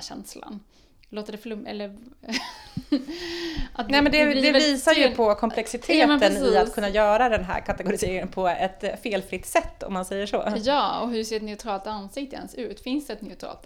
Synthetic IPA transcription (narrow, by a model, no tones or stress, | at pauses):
ɕɛ̰nsla̰n | loːt̪əɖɛflmɛ̰lːəɾ | ʔat̪nɛːmɛnd̪ɛd̪ɛviːsaɾjɵpʰɔkʰɔmʰlɛksɪt̪ʰeːtmənɪat̪ːkʰɵnːajœːɾad̪ɛnɦæ̰ːɾkʰat̪ɛɡʊɾɪseːɾɪŋənpʰɔɛt̪feːlfɾɪt̪ːsɛt̪ːɔ̰mːansɛjːəʂo̰ːjɑːɔ̰ɦɵʂeːɾɛt̪nɛʊt̪ʰɾɑːlt̪ansɪk̚t̪ɪɛ̰nsʉ̟ːt̪fɪnsd̪ɛt̪nɛʊt̪ʰɾɑ̰ːlt̪